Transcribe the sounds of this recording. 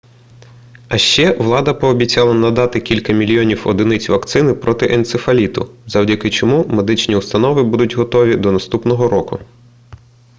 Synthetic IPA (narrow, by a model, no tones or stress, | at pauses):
ɐʃt͡ʃɛʋlˠɑd̪ɐpɔːbʲit͡sʲɑlˠɐnɐd̪ɑt̪ɪkʲilʲkɐmʲilʲjɔnʲiwɔ̰d̪ɪnɪt͡sʲʋɐkt̪sɪnɪpɾɔt̪ɪʔent̪sefɐlʲit̪ʊ̰zɐwdʲɐkɪt͡ʃɔmumed̪ɪt͡ʃnʲiʊst̪ɐnɔʋɪbud̪ʊtʲɦɔt̪ɔʋʲid̪ɔnɐst̪upnɔɦɔɾɔkʊ